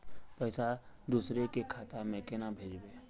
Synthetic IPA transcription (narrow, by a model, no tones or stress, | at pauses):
pəɪsad̪uːsɾekekʰat̪amẽkenabʱeːd͡ʒbeː